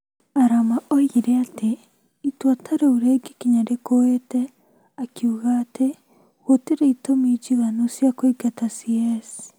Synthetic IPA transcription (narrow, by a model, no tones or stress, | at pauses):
aɾamaoiɾeate | itwatʰaɾeuɾeɡikiɲaɾekowetɛ | akjuɣatʰe | hotiɾeitomid͡ʒiɣanosjakoiɡatasiɛs